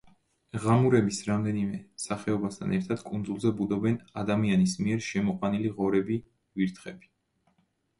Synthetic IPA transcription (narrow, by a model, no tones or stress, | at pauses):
ʁamuɾɛbisɾamd̪ɛnimɛsaχɛɔbast̪ʰa̰nɛɾt̪ʰad̪̥kʼund̪zulˠzɛbud̪ɔbɛnad̪amianismiɛɾʃɛmɔqʼwaniliʁɔɾɛbi | viɾt̪ʰχɛbi̥